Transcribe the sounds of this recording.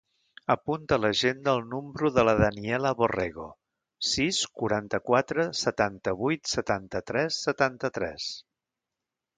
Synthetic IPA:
əpunt̪ələʒend̪əːlˠnumbɾuðələðəniɛləβoreɣo̰ | siskuɾant̪əkwat̪ɾəsət̪ant̪əβ̞ujt̪sət̪ant̪ət̪ɾɛsːət̪ant̪ət̪ɾɛ̰s

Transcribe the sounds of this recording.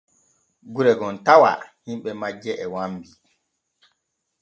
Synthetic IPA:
ɡuɾɛɡɔntawa̰himɓɛmad͡ʒːɛʔɛwambi

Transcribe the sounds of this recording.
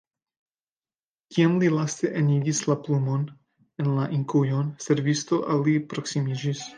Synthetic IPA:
kiamlilast̪e̞ʔeniɡislaplumo̞n | enlaʔiŋkujo̞nse̞ɾvisto̞ʔalipɾo̞ksimid͡ʒis

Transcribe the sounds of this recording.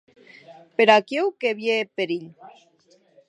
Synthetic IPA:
peɾakewkeβjepeɾiʎ

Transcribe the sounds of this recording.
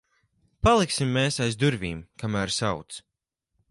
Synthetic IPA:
palˠiksimːeːsajzd̪uɾvʲiːmkamæːɾsawt̪s

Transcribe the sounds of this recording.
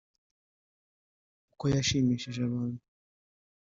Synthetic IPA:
ukojaʃimiʃaʒaβaːndu

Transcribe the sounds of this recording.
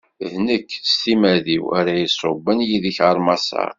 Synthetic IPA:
ðnəkːst̪imæðiwæ̰ɾæjisˤːobːənjiðiçʁəɾˤmɑsɑ̰

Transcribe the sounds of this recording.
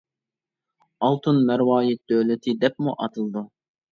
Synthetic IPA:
ɑlˠt̪ʰɨnmɛɾwɑːjit̪̚d̪ølɪt̪ʰɪd̪ɛp̚muʔɑt̪ʰɨlˠd̪u

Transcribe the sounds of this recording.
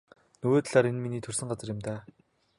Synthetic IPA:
nɵwoːt̪ɮaːɾenminiːt̪ʰɵrsɘ̆ŋɢat͡sə̆rjɪ̆mt̪aː

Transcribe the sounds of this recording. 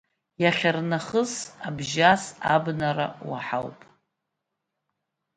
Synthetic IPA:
jaχʲarnaχəzabʒasabnaɾa̰wa̰ħawpʼ

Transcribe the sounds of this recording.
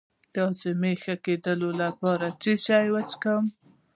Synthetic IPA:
d̪əzemexaked̪əlolapɑɾaʈ͡ʂiʃɑjwat͡ʃkəm

